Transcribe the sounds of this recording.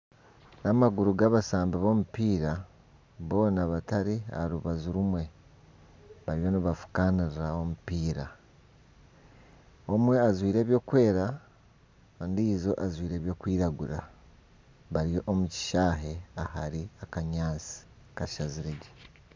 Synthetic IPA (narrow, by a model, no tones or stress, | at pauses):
namaɡuɾuɡaβasaːmbaβo̞mupiːɾa | βo̞ːnaβataɾia̰ɾuβazuɾumwe̞ | βaɾijo̞niβafu̥kaniɾiɾao̞mupiːɾa | omwe̞azwiːɾe̞ːβjo̞ːkwe̞ːɾa | ndizo̞ʔazwiːɾe̞ːβjo̞ːkwiːɾaɡuɾa | βaɾijo̞ʔomuci̥ʃaːɦe̞ahaɾiakaɲaːt͡si̥ | kaʃaziɾeɟe